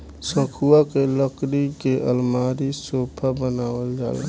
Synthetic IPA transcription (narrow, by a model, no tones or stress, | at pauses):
sə̃kʰuakeləkɾikeʔəlmaːɾisoːpʰabənaːwəld͡ʒa̰ːlḛ